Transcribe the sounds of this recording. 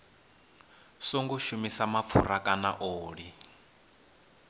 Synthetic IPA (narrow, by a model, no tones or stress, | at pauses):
soŋɡuʃumisamap̪fʰṵɾakʼana̰ʔoːɺi